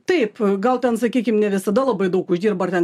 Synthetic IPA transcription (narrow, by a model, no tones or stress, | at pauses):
t̪ɐɪpɡɐlˠt̪ʲɛnsɐkʲiːkʲɪmnʲɛʋʲɪsɐd̪ɐlˠɐbɐɪd̪ɐʊkʊʒʲd̪ʲiːɾbɐɐrt̪ʲɛn